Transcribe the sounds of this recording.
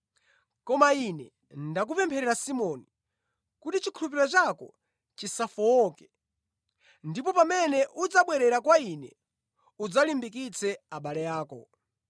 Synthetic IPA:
kɔmainɛ | ndak̬upɛmpʰɛɾɛɾasimɔni | kutit͡ʃikʰuɾup̬iɾat͡ʃakɔ̰ | t͡ʃisafɔɔkɛ̥ | ndipɔpamɛnɛʔud͡zaɓwɛɾɛɾakwainɛ | ud͡zalimbikit͡sʰɛaɓalɛjaːkɔ

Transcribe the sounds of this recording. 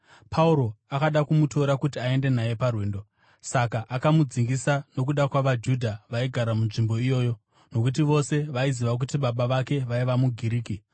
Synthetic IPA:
pʰauɾo̞akaɗakumuto̞ɾakutiae̞nde̞naje̞parweːndo̞ | sakaʔakamud͡ziŋɡisano̞kuɗakwaʋad͡ʒudʱaʋaiɡʱaɾamunʐimboijo̞ːjo̞ | no̞kut̬iʋo̞se̞ʋaiziʋak̬utiɓaɓaʋake̞ʋaiʋamuɡʱiɾiːki

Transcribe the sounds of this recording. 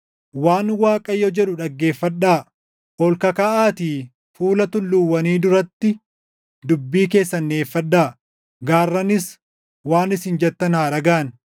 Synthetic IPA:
waːnwaːkʼɐjːɔd͡ʒɛᶑʊᶑɐɡːe̞ːfːɐᶑaː | ʔɔlkɐkaʔaːt̪iː | fuːlɐt̪ʊlːʊwːɐniːd̪ʊɾɐt̪ːɪ | d̪ʊbːiːke̞ːsːɐnːe̞ːfːɐᶑaː | ɡaːrːɐnɪs | waːnɪsɪnd͡ʒɛt̪ːɐnaːɾɐɡɐʔɐn

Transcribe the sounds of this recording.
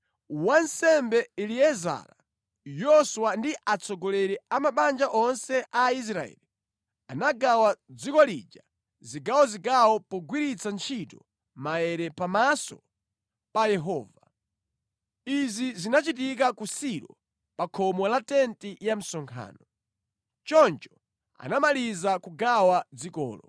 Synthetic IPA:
wansɛmbɛiliɛza̰la | jɔswandiʔat͡sʰɔɡɔlɛɾɛamaɓand͡ʒaʔɔnsɛʔais̬ɾaɛ̰ːli | anaɡawad͡zikɔlid͡ʒa | ziɡawɔziɡawɔpɔɡwiɾit͡sant͡ʃʰitɔ | majɛɾɛpamasɔ̰ | pajɛɦɔːva | izizinat͡ʃit̬ik̬akusiɾɔ | pakʰɔmɔlatɛntijam̩sɔŋkʰa̰ːnɔ | t͡ʃɔnt͡ʃɔ̥ | a̰namalizakuɡawad͡zikɔ̰ːlɔ̰

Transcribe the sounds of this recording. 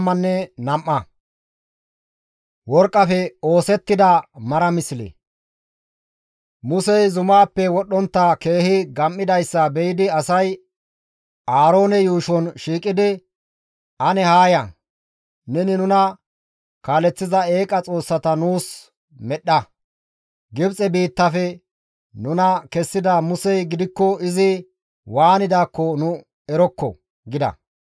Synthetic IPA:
mːɐnːɛnɐmʔːɐ | wɔɾkʼːɐfɛo̞ːsɛt̪ːɪd̪ɐmɐɾɐmɪslɛ̰ | mʊsɛjzʊmaːpːɛwɔɗːɔnt̪ːɐke̞ːhɪɡɐmʔːɪd̪ɐjsːɐbɛjɪd̪ɪɐsɐj | ʔaːɾo̞ːnɛjuːʃɔnʃiːkʼːɪd̪ɪ | ʔɐnɛhaːjɐ | nɛnɪnʊnɐ | kaːlɛt͡sːɪzɐe̞ːkʼɐt͡sʼo̞ːsːɐt̪ɐnuːs | mɛɗːɐ | ɡɪbt͡sʼɛbiːt̪ːɐfɛ | nʊnɐkɛsːɪd̪ɐmʊsɛjɡɪd̪ɪkːɔɪzɪ | waːnɪd̪aːkːɔnʊ | ɛɾɔkːɔ̰ | ɡɪd̪ɐ̰

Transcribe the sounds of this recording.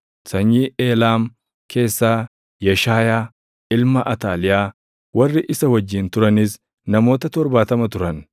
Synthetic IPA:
sɐɲːiːeːlaːm | kʰe̞ːsːaː | jɐʃaːjaː | ɪlmɐʔɐt̪aːlɪjaː | wɐrːɪʔɪsɐwɐd͡ʒːɪːnt̪ʊɾɐnɪs | nɐmo̞ːt̪ɐt̪ɔɾbaːt̪ɐmɐt̪ʊɾɐn

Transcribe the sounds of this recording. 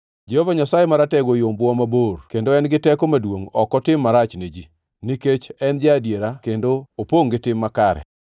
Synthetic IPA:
d͡ʒehovaɲasajemaɾatɛɡojombwɔmaborkendoɛnɡɪtɛkomadwoŋɔkɔtɪmːaɾat͡ʃned͡ʒi | niket͡ʃɛnd͡ʒɪadjeɾakendoopoŋɡɪtɪmːakaɾɛ̰

